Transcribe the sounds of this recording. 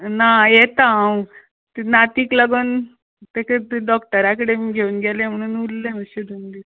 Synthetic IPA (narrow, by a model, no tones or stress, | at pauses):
najet̪aw | t̪inat̪iːkləɡəːn | t̪eket̪ɖɔkʈəɾakəɽemiɡʱeuːnɡʱɛlẽm̤əɽ̃uːnulːeməɕed̪umliː